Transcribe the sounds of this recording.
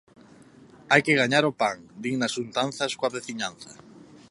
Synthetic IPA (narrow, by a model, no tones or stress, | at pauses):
ajkeɣaɲaɾʊpaŋd̪iŋnɐsunt̪an̟θɐskoaβeθiɲãnθɐ